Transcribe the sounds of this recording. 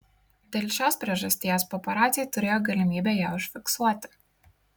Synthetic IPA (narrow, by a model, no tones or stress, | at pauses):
d̪ʲeːlʲʃʲoːspʲɾʲiɛʒɐsʲt̪ʲiːjɛspɔːpɐɾɑːt̪sʲɪjt̪ʊɾʲeːjoːɡɐlʲɪmʲiːbʲɛjæːʊʃʲfʲɪksuɔt̪ʲɪ̥